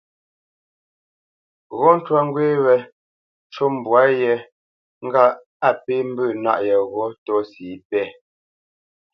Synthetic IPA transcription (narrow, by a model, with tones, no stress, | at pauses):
ɣɔ˦n̩˦twa˦ŋ˦ɡwe˦wɛ˨ | t͡ʃo˦m˨bwa˦jɛ˨ | ŋ̩˦ɡa˦ | a˦˨pe˦m̩˦bʉ˦˨na̰˦ʔjɛ˨ɣɔ˦tɔ˦siː˨˦pɛ˦˨